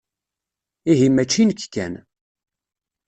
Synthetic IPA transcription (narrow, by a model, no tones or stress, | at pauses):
iɦimːæt͡ʃːinəkkːæ̰n